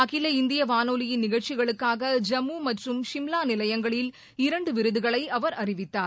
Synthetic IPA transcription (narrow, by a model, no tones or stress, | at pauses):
ɐɣɪlɐɪnd̪ɪjɐʋaːnoːlɪjɪnːɪɣɐɻt͡ʃɪɣɐɭɯkːaːɣɐd͡ʒɐmːuːmɐʈrɯmʂɪmlaːnɪlɐjɐŋɡɐɭɪl | ɪɾɐɳɖɯʋɪɾɯðɯɣɐɭɐɪɐʋɐɾɐrɪʋɪt̪ːaːɾ